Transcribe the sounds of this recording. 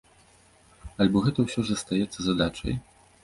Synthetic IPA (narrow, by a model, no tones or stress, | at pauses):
alʲbɔɣɛt̪ɐwsʲɔʐɐst̪ajɛt̪sːɐzad̪at͡ʂɐ̰j